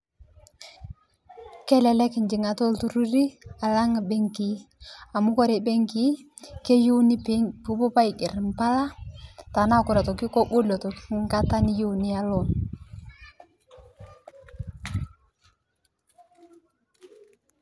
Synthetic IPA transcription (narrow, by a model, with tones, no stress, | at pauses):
kɛ˦lɛ˨lɛ˦kɪ˨ɲd͡ʒɪ˨ŋa˨to˦ltu˦ɾu˦ɾi˦a˨la˦ŋa˨be˦ŋki˨˦a˨mʊ˦kɔ˦ɾe˨be˦ŋki˦ | ke˦ju˦ni˦ppu˦bʊ˦pa˦i˨kɪ˨ɾɪ˨mpa˦la˦ta˨na˦˨kʊ˨ɾa˨tɔ˨ki˦ko˦bo˦lɔ˨tɔ˨kŋɡa˦ta˦ni˦ju˦˨ni˦a˨lɔ˦˨n